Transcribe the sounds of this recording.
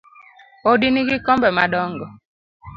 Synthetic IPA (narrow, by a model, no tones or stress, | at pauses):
odiniɡikɔmbɛma̰ɗɔŋɡɔ